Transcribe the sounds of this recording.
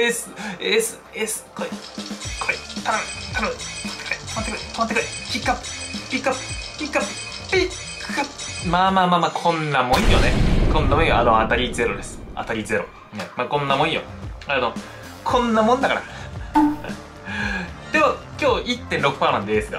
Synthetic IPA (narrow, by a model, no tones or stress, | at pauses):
esɨesɨ | esɨ̥kʰoi | kʰoit̪aɾat̪aɾat̪ːe̥kait̪mat̪ːekoit̪amat̪ːekaikʲikːappʲikːapːpʲikːapː | pi | kʰamamaːmamakʰõ̞nːamõ̞j̃jonekõ̞nːamõĩaanoat̪aɾʲize̞ɾo̞d̪e̞sɨ̥a̰t̪aɾʲize̞ɾo̞ | nemakõ̞nːamõĩjo̰ | ano | kʰõ̞nːamõnd̪akaɾa̰ | d̪̥okʲo̞ːʔit̪ːẽnɾo̞kɯ̥panãnd̪eeːsɨɡa̰